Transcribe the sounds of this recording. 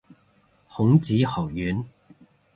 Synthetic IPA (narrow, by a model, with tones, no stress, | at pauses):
hʊ˨˧˥ŋt͡siː˨˥hɔː˨˩wjyː˨˥n